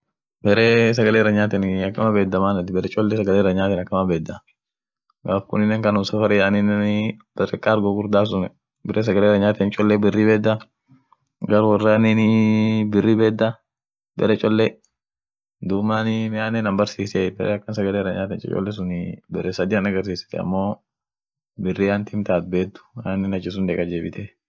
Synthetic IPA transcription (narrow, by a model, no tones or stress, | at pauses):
bɛɾeːs̬ɐɡɐleːɪrɐɲːaːt̪ɛnɐkːɐmɐbeːd̪ːɐmaːnɐt̪ɪbɛɾɛt͡ʃʼɔlːɛs̬ɐɡɐleːɾɐɲaːt̪ɛnɐkːɐmɐbeːd̪ːɐ | ɡaːfkʊnːɪnːɛŋkɐnʊsɐfɐɾɛjanɪnːɛnb̥ɛrɛkʼːaːɾɡɔɡʊɾd̪aːs̬ʊn | bɛɾɛs̬ɐɡɐleːɾɐɲːaːt̪ɛnt͡ʃʼɔlːɛbɪrːibeːd̪ːɐ | ɡɐɾwɐrːaninɪbɪrːiːbɛːd̪ːɐ | bɛ̰ɾɛt͡ʃʼɔlːɛ | d̪uːmaːnɪmɪaːnːɛnɐmbɐɾsiːsɛbɛɾʔɛɐkːɐnsɐɡɐleːɾɐɲaːt̪ɛnt͡ʃʼɛ̰t͡ʃʼɔ̰lːɛs̬ʊnɪbɛɾɛsɐd̪ɪːɐnɐɡɐɾs̬iːsɪ̥t̪ɛɐ̰mːo̞ː | bɪrːiːant̪ɪmt̪aːt̪̚beːd̪ʊ̥aːnːɪnɐt͡ʃːɪs̬ʊnd̪eːkʼɐd͡ʒeːbɪt̪ɛ